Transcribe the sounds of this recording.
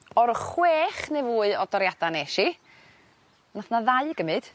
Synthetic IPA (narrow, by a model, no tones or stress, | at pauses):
ɔɾχweːχnevuːɨɔdɔɾjadaneʃi | naθnaðaɨɡəmɨd̥